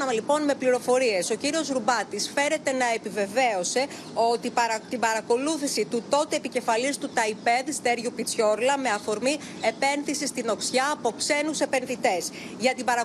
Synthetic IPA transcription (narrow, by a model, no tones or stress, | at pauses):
ɐlipo̞nme̞pliɾo̞fo̞ɾie̞so̞ciɾio̞zɾubɐt̪isfe̞ɾe̞t̪e̞nɐepive̞ve̞o̞se̞ | o̞t̪iɐt̪ibɐɾɐko̞luθisit̪ut̪o̞t̪e̞ːpice̞fɐlist̪ut̪ɐipe̞ðst̪e̞ɾʝupit͡sço̞ɾlɐme̞ɐfo̞ɾmi | e̞pe̞nθisist̪ino̞ksçɐːpo̞pse̞nuse̞pe̞nðit̪e̞s | ʝɐt̪ibɐɾɐ